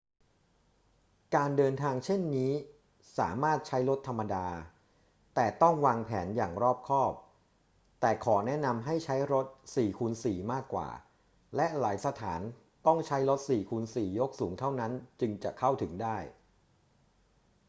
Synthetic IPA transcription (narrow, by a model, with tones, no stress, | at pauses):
kaː˧ndɤː˧nt̪ʰaː˧ŋt͡ɕʰe˥˩nːiː˦˥ | sa̰ː˩˦maː˥˩t̪̚t͡ɕʰa˦˥jɾo˦˥t̪ʰːa˧mːa˧daː˧ | t̪ɛː˨˩t̪ɔ˥˩ŋwaː˧ŋpʰɛː˩˦njaː˨˩ŋɾɔː˥˩p̚kʰɔː˥˩p̚ | t̪ɛː˨˩kʰɔː˩˦nɛ˦˥na˧mɦa˥˩jt͡ɕʰa˦˥jɾo˦˥t̪̚siː˨˩kʰu˧nsiː˨˩maː˥˩kːwa̰ː˨˩ | lɛ˦˥ʔlaː˩˦jsa˧t̪ʰaː˩˦n | t̪ɔ˥˩ŋt͡ɕʰa˦˥jɾo˦˥t̪̚siː˨˩kʰuː˧nsiː˨˩jo˦˥k̚suː˩˦ŋt̪ʰa˥˩wna˦˥nt͡ɕɯ˧ŋt͡ɕa̰˨˩ʔkʰa˥˩wt̪ʰɯ˩˦ŋdaː˥˩j